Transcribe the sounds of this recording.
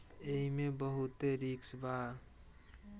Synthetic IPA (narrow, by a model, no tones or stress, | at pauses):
eɦimẽbəɦʊt̪eɾiksba